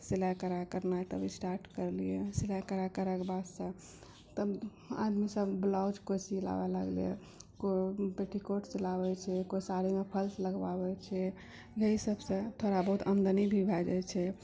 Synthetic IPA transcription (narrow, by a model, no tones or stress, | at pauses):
silakəɾakəɾnajt̪əbʱisʈaɾʈkəɾlijesilakəɾakəɾɛkebad̪sə̃ | t̪əb | a̰d̪misəbblɔd͡ʒkosila̰bɛlə̰ɡlḭjḛ | kobeʈʰikoʈt͡ʃəlabɛt͡ʃʰɛkoisaɾimepʰəlsləɡba̰bɛt͡ʃʰɛ | jəisəbsə̃t̪ʰoɾabəɦut̪ʰənd̪ənibʱibʱɛd͡ʒɛt͡ʃʰɛ